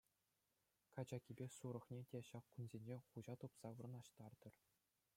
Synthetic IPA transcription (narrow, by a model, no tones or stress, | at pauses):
kɑd͡ʑɑkʲibʲesuɾɤ̆χnʲetʲeɕɑkkunzʲenʲd͡ʑeχuʑɑt̪upsɑʋɯrɤ̆nɑɕt̪ɑrd̪ɤ̆r